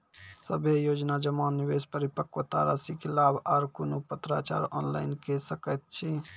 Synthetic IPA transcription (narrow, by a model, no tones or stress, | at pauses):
səbʱejoːd͡ʒnad͡ʒəmanːiʋespəɾipəkːot̪a̰ɾa̰sikelabʱaɾkonopət̪ɾa̰t͡ʃa̰ɾɔnla̰ɪinkesəkət̪̚t͡ʃʰi